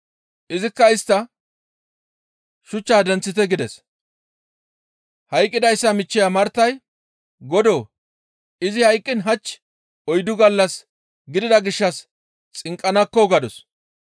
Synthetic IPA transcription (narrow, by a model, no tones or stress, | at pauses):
ʔɪzɪkːɐɪst̪ːɐ | ʃʊt͡ʃːaːd̪ɛnt͡sːɪt̪ɛɡɪd̪ɛs | hɐjkʼːɪd̪ɐjsːɐmɪt͡ʃːɪjamɐɾt̪ːɐj | ɡɔd̪oː | ɪzɪhɐjkʼːɪnɦɐt͡ʃː | ɔjd̪ʊɡɐlːɐs | ɡɪd̪ɪd̪ɐɡɪʃːɐs | t͡sʼɪŋkʼːɐnɐkːɔɡɐd̪ɔs